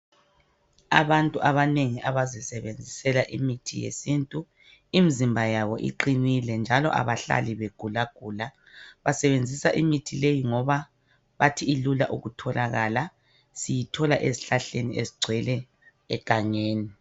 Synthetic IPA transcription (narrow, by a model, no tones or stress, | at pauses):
a̰βantʼuʔaβaneŋiʔaβazisɛβend͡zʱisɛlaʔimitʰḭjḛsintʼu | imizimbʱajaβɔʔḭǃinilɛnd͡ʒʱalɔ̰ʔa̰βaɬa̰liβeɡ̥ʱulaɡ̥ʱuːla | βasɛβend͡zʱisaʔimitʰilejiŋɔβa | βatʰiilulaʔuɣutʰɔlʔaɣala | sijitʰɔlaʔeziɬaɬenieziɡ͡ǀʱwɛlɛː | ɡ̥ʱaŋeːni